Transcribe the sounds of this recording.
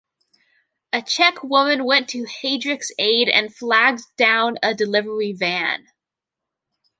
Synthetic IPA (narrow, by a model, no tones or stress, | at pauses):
ɨt͡ʃʰɛkʰwʊmɨ̃nwɛ̃ntʰɨheɪdɹɨkseɪɾɨ̰̃nflæɡ̚d̥ãʊ̃nədɨlɪvə˞ivæ̃n